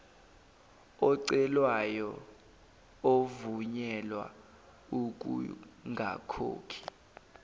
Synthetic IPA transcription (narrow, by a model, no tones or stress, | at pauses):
ɔǀɛlwajɔ | ovuɲɛlwa̰ | uk̬ʼṵŋɡʱa̰kʰo̰ːkʰi̥